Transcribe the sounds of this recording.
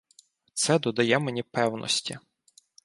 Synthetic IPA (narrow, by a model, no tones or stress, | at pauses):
t̪sɛd̪ɔd̪ɐjɛmenʲipɛwnʔɔ̰sʲtʲi